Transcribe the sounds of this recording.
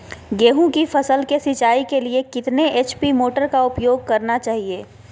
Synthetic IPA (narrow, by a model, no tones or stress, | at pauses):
ɡeːɦũkifʰɐsəlkesɪt͡ʃaːikeliekɪt̪neeːt͡ʃpimoːʈəɾkaʊpjoːɡ̚kɐɾnat͡ʃaːɦieː